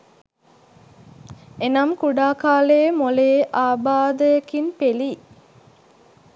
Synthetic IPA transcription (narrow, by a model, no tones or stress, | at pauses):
enɐmkuɖaːkaːleːmoleːʔaːbaːd̪əjekinpeli